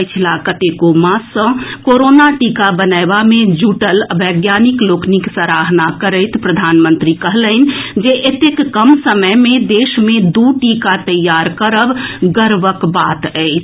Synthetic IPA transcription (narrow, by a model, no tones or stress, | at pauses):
t͡ʃʰlakət̪ekomãsə̃koɾoːnaʈikabənaɪbamẽd͡ʒuːʈələbʱəɡjaːnɪkloːkniksəɾaːɦnakəɾəɪt̪pɾəd̪ʱaːnmə̃nt̪ɾikəɦlən̆d͡ʒeʔet̪ekːəmsəməjmẽd̪eːʃmẽd̪uʈikat̪əjːaɾkəɾəbɡəɾʋəkbaːt̪ɛɪt͡ʃʰ